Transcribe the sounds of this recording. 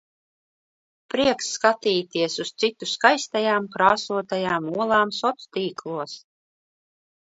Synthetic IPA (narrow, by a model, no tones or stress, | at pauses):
pɾiɛksːkat̪iːt̪iɛsust̪sit̪uskajst̪ajaːmkɾaːsuɔt̪ajaːmuɔlˠaːmsɔt̪t̪iːklˠuɔs